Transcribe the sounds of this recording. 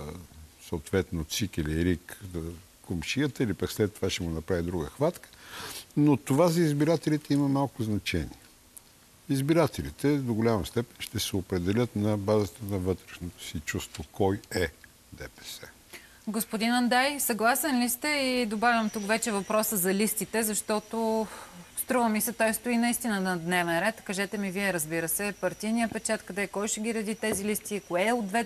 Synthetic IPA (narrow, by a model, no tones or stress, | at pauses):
səot̪vɛt̪not̪sikiliɾikzə | komʃiət̪əilipəkslɛt̪ːovaʃt̪ɛɡonɐpɾavid̪ɾuɡəxvat̪kə̥not̪ovazɐizbiɾat̪ɛlit̪ɛiməmalˠkʊznɐt͡ʃɛnḭɛ | izbiɾat̪ʰɛlit̪ɛd̪oɡolʲamɐst̪ɛpɛ̥nʃt̪ɛsɛopɾɛd̪ɛlʲət̪nɐbazət̪ənɐvɤt̪ɾɛʃnot̪o̥sit͡ʃust̪vokɔjɛ | d̪ɛpɛ̥sɛ | ɡospʊd̪inɐnd̪ajsɐɡlˠasɛnlist̪ɛid̪obavʲjəmt̪ukvɛt͡ʃɛvɐpɾɔsəzɐlist̪it̪ɛzɐʃt̪ɔt̪o | st̪ɾuvəmisɛt̪ɔjst̪oinɐist̪inəd̪ɐd̪nɛvɛnɾɛt̪kɐʒɛt̪ɛmiviɛɾəzbiɾəsɛpɐɾt̪ijnijəpɛt͡ʃat̪kɐd̪ɛkɔjʃɛɡʲiɾɐd̪it̪ɛzilist̪ikoɛod̪vɛ